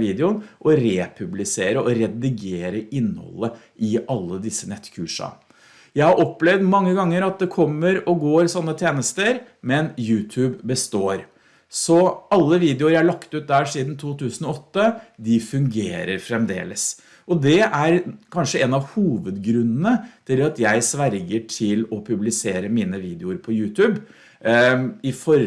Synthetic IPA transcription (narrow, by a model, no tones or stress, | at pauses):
ʋiːd̪ɪʊnʔɔɾeːpʰʉblɪseːɾəɔɾɛd̪ɪɡeːɾəɪnhɔ̰lːə | ʔɪʔɑlːəd̪ɪsːənɛt̪ːkʰʉːʂɑ̰ | jæɪhɑɾʔɔpːlɛʋd̪mɑŋːəɡɑŋːəɾɑt̪̚d̪ɛkʰɔmːəɾɔɡoːɾsɔnːət̪ʰeːnəst̪əɾ | mɛnjʉːt̪ʰʉːbbəst̪oːɾ | sɔɑlːəʋiːd̪ɪʊəɾjææɭɑkt̪ʉːt̪̚d̪æːʂiːd̪n̩t̪ʰuːt̪ʉːsən̩ɔɔt̪ːəd̪ɪfʉŋɡḛːɾəɾfɾɛmd̪ḛːləs | ɔd̪ɛʔæɾkʰɑnʂəɛnɑʋhuːʋəd̪ɡɾʉnːənət̪ʰɪlɑt̪jæɪsʋæɾɡəʈʰɪlɔpʰʉblɪseːɾəmiːnəʋiːd̪ɪʊəɾpʰɔjʉːt̪ʰʉːb | ɪfɔɾ